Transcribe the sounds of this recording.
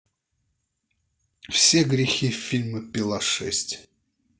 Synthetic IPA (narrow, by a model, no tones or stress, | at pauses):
fsʲeɡɾʲɪxʲifʲilʲməpʲɪlˠaʂɛ̰sʲtʲ